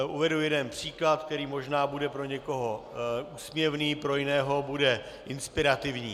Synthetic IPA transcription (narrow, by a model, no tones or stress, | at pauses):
ʔuvɛdujɛdɛnpr̝̥iːklat̪k̚t̪ɛɾiːmo̞ʒnaːbudɛpɾo̞ɲɛko̞ɦoʔuːsmɲɛvniːpɾo̞jɪnɛːɦo̞budɛ | ʔɪnspɪɾat̪ɪvɲiː